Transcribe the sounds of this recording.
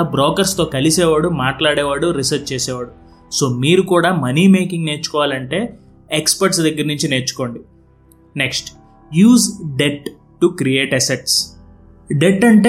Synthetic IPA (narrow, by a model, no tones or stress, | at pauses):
bɾoːkɐɾst̪o̞ːkɐlisɛːʋaːɽumaːʈlaːɽɛːʋaːɽuɾisɐɾt͡ʃt͡ʃeːsɛːʋaːɽu | so̞ːmiːɾukuːɽaːmɐniːme̞ːkiŋɡne̞ːt͡ʃːu̥kɔːʋaːlɐɳʈe̞ː | ekspɐɾʈsd̪ɐɡːɐɾnuɲt͡ʃine̞ːt͡ʃu̥ko̞ːɳɖi | ne̞ksʈ | juːzɖeʈ | ʈukɾie̞ːʈɐseʈs | ɖeʈːɐɳʈe